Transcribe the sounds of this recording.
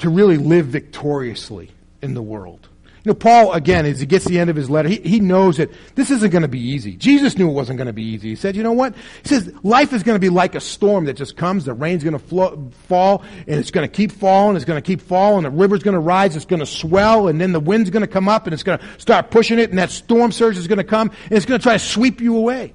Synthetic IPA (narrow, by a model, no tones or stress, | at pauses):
tʰɨɹɪlˠilɪvɨk̚tʰɔɹiɨslḭ | ɨ̃nðəwɜ̰˞lˠd̥ | jɨnoʊpʰɔlˠəɡɛ̃nɨziɡɛtsðiɛ̃ndʌv̥ɨzlɛɾə˞iinoʊzɨt̪̚ðɪsɪzɨ̃n̩ɡ̥ʌnɨbiizḭd͡ʒizɨsnjʉt̚wʌzɨ̃n̩ɡ̥ʌnɨbiiziisɛdjɨnoʊwʌt̚hisɛzlaɪfɨzɡʌnɨbilaɪkɨstɔɹmðɨt̚ʒ̥ʌskʰʌ̃mzðɨɹẽɪ̃nzɡʌnəflofɔlˠɨ̃nɨtsɡ̥ʌnɨkʰipfɔlˠɪ̃ŋɨtsɡʌnɨkʰipfɔlˠɪ̃ŋðɨɹɪvə˞zɡʌnəɹaɪzɨtsɡ̥ʌnəswɛlˠə̃nðɨ̃nðəwɪ̃ndzɡʌnɨkʰʌ̃mʌpɨ̃nɨtsɡ̥ʌnɨstɑɹt̚pʰʊʃɪ̃ŋɨɾn̩ðɨtstɔɹmsɜ˞t͡ʃɨzɡʌnɨkʰʌ̃mɨ̃nɨtsɡ̥ʌnɨtʰɹ̥aɪɾɨswipjɨəweɪ